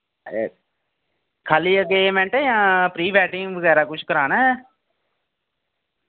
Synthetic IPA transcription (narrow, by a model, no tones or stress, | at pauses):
kʰaːliːəɡemɛ̃ːɳʈɛːjãːpɾiːbɛːʈɪ̃ŋɡʋəɡɛːɾaːkʊt͡ʃʰkəɾaːnɛː